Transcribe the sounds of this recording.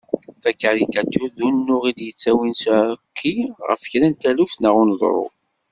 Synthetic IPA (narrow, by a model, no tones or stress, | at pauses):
θækːaɾikæt̪ːuðunːʊʁid̪jət͡sːæwinskʰːiʁə̰fçɾænt̪ælufnəʁʊnð̰ˤɾˤʊ̰